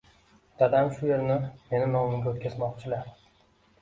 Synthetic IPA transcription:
d̪̥ad̪amʃʊje̞ɾnɪme̞nɪnɒmɪmɡʲaot̪kʲazmɒqt͡ʃʰɪlaɾ

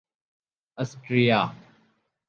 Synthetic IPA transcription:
ɐsʈɾijaː

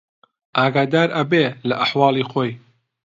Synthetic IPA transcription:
ʔaːɡaːd̪aːɾɐbelɐʔɐħwɑːlˠiːxoːj

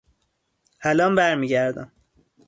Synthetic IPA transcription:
hælɒːmbæɾmiːɟæɾd̪æ̰m

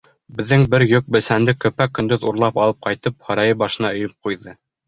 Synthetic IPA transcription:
bɘ̆ðːɘŋbɘɾjɵk̚bɘ̆lsænd̪ɘkɵ̆pækːɵ̆nd̪ɵðuɾlˠɑpɑlˠɤp̚qɑjt̪ɤp̚hɑɾɑjɤbɑʃɤ̆nɑɵ̆jɵp̚qujðɤ

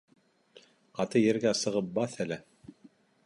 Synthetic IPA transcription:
qɑt̪ɤjɘ̆ɾɡæsɤ̆ʁɤp̚bɑθælɘ

